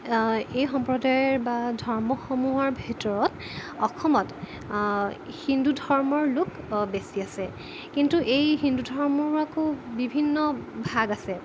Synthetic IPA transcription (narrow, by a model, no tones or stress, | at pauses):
ejxɔmpɹɔdajɔɹbadʱɔɹmɔxomuɦɔɹbʱitɔɹɔt | ɔkʰɔmɔt | hindudʱɔɹmɔɹlʊk | besiasɛ | kintuʔejhindudʱɔɹmɔɹakobibʱinːɔbʱaɡasɛ